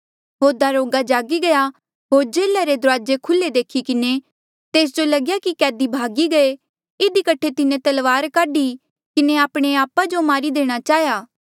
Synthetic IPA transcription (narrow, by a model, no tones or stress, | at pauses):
ɦoːd̪aɾoːɡad͡ʒaːɡiɡɐja | ɦoːɾd͡ʒeːlaɾed̪ʊɾaːd͡ʒekʰʊlːed̪eːkʰikɪne | t̪eːs̬d͡ʒolɐɡjakikɛːd̪ibʱaːɡiɡɐe | ɪd̪ikɐʈʰːet̪ɪnẽt̪ɐlʋaːɾkaːɖi | kɪneaːpɽ̃eaːpad͡ʒomaːɾid̪eːɽ̃at͡ʃaːɦjaː